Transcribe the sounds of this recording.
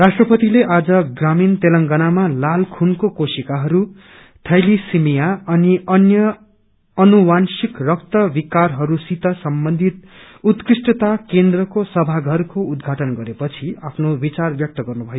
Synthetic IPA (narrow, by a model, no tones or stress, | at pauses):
rasʈrʌpʌt̪ileʔad͡zʌɡramint̪elʌŋɡanamalalkʰunkokosikaɦʌɾu | ʈʰʌjlisimijaʌniʌnjʌː | nuwansikrʌk̚t̪ʌbikarɦʌɾusit̪ʌsʌmbʌnd̪ʱit̪̚ | ut̪krisʈʌt̪akend̪rʌkosʌbʱaɡʱʌrkoud̪ɡʱaʈʌnɡʌɾepʌt͡sʰiapʰnobit͡sarbjʌk̚t̪ʌɡʌrnubʱʌjo